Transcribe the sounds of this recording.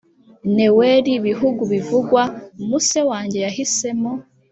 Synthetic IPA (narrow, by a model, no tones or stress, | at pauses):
neweɾiβiɦuɡuβivuɡwaumusewaːɲɟe̞jahise̞mo